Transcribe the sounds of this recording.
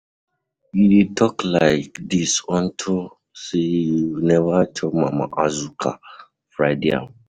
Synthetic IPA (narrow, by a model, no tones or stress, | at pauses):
iditʰɔklaɪkdisɔntʰʊ | sejunɛvat͡ʃɔmama̰ʔazukʰa̰ | fɹaɪdḛa̰